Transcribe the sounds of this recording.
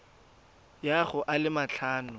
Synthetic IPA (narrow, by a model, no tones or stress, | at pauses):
jaχʊʔalɪmat͡ɬʰaːnʊ